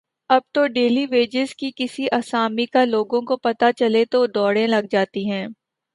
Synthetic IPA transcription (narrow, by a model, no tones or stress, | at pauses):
ɐb̚t̪oɖeːliʋeːd͡ʒɪzkikɪsiʔasaːmikaloːɡõkopɐt̪at͡ʃɐlet̪oɖɔːɽẽlɐɡ̚d͡ʒaːt̪iɦɛ̃ː